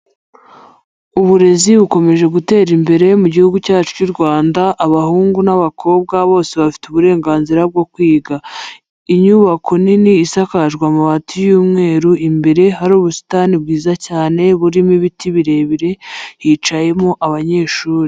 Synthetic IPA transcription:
uβuɾe̞ziβuko̞me̞ʒe̞ɡute̞ːɾimbe̞ɾe̞muɟihuɡucaːt͡ʃu̥cuɾɡwaːndaʔːβahuːŋɡunaβakʰo̞ːb̚ɡaβo̞ːse̞βafi̥tuβuɾe̞ːŋɡaːnziɾab̚ɡo̞kwiːɡa | iɲuβakʰo̞niniːsakaʒɡwamuβatijuːmŋe̞ːɾuʔimbe̞ɾe̞ɦaɾuːβusi̥taːnib̚ɡiːzacaːne̞βuɾimiβitiβiɾe̞βiɾe̞hit͡ʃaje̞mo̞ʔaβaɲe̞ːʃuːɾi

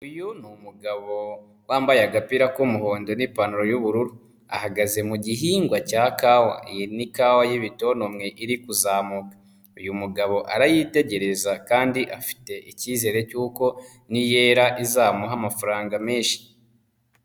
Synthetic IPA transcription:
ujunumuɡaβo̞ | waːmbajaɡapiɾakumuho̞ːndo̞nipanuɾo̞juβuɾuɾu | a̰haɡaze̞muɟiɦiːŋɡwacaːkawa̰nikawajiβito̞nomŋe̞ʔiɾikuzaːmukḁ | ujumuɡaβo̞ʔaɾajite̞ɟe̞ɾe̞zakaːndiʔafi̥te̞ʔiciːze̞ːɾe̞cuːko̞ | nijeːɾaʔizaːmuɦamafaɾaːŋɡameːnʃi̥

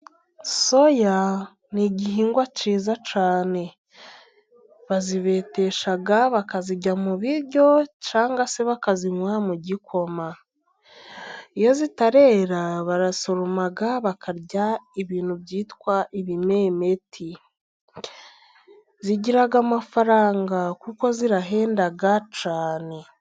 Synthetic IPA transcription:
so̞ja | niɟiɦiːŋɡwaciːzat͡ʃaːne̞ | βaziβe̞ːte̞ʃaɡaβakaziɟamuβiɾɟo̞t͡ʃaːŋɡase̞βakaziɲwamuɟikʰo̞ma | ijo̞zitaɾe̞ːɾaβaɾaso̞ɾomaɡaβakʰaɾɟaiβiːn̥hubɟiːtkwaʔiβime̞me̞tʰi | ziɟiɾaɡamafaɾaːŋɡakuko̞ziɾaɦe̞ːndaɡat͡ʃaːne̞

